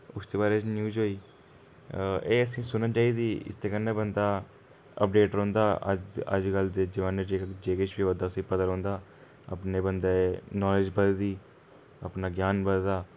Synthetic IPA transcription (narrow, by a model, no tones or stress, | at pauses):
ʊst̪eːbaːɾeːd͡ʒnjuːd͡ʒɦoːiː | eːəsĩːsʊnnaːt͡ʃaːiːd̪iːɪ̰st̪ʰeːkənːẽːbənd̪aː | ə̰p̚ɖeːʈɾõːnd̪aːə̰d͡ʒə̰d͡ʒɡəld̪eːd͡ʒəʋaːnːed͡ʒeːkd͡ʒeːkɪt͡ʃʰbiːʋəd̪aːʊsĩːpəd̪əɾɦõːnd̪aː | ə̰pneːbənd̪aːenɔːlɪd͡ʒbəd̪d̪iː | əpnaːɡjaːnbəd̪d̪aː